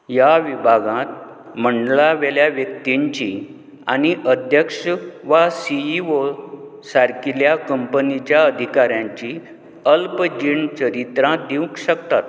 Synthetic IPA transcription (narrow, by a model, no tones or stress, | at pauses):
jaʋibʱaɡãt̪ | m̤əɳɖlaʋeljaʋjək̚t̪iɲt͡ɕi | a̰niʔəd̪ʱjəkʂəʋasiio | saɾkiljakəmpənit͡ɕjaəd̪ʱikaɾjãɲt͡ɕi | əlpd͡ʑiɳt͡ɕəɾit̪ɾãd̪iũkɕəkt̪at̪̚